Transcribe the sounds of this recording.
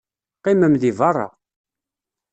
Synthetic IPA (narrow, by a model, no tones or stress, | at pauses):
qːiməmðivɑrˤːɑ̰